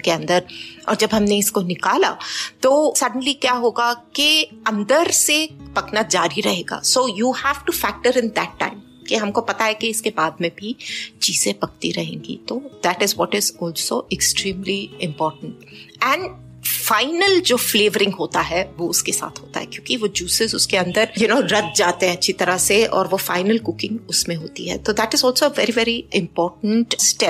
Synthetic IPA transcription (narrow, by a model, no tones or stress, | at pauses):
keɐ̃nd̪əɾɔ̰ːɾd͡ʒɐbɦɐmneɪskonɪkaːla̰t̪oːsɐɖə̃nlikjaːɦoːɡakeɐ̃nd̪əɾsepɐknad͡ʒaːɾiɾɐɦeːɡa̰ːsoːjuːhæːʋʈufæk̚ʈəɾɪ̃nd̪æʈːã̰ɪ̃m | kiɦɐmkopɐt̪aɦɛkiɪskebaːd̪mẽbʱit͡ʃiːzẽpɐk̚t̪iɾɐɦẽːŋɡḭt̪oːd̪æʈɪzʋɔʈɪzɔːlsoʔɪksʈɾĩːmliɪ̃mpɔːɾʈə̃ɳʈ | ɛ̃ɳɖ | faɪnəld͡ʒoːfleːʋəɾɪ̃ŋɡɦoːt̪aɦɛʋoʊskesa̰ːt̪ʰɦoːt̪a̰ɦɛ̰kjõːkiʋod͡ʒuːsɪzʊskeɐ̃nd̪əɾjʊnoːɾɐt̪̚d͡ʒaːt̪eɦɛ̃ɐtːʃʰit̪ɐɾəseɔ̰ːɾʋofaɪnəlkʊkɪ̃ŋɡʊsmẽɦoːt̪ḭɦɛ̰t̪od̪æʈɪzɔːlsoeʋɛɾiʋɛɾiʔɪ̃mpɔːɾʈə̃ɳʈsʈɛp̚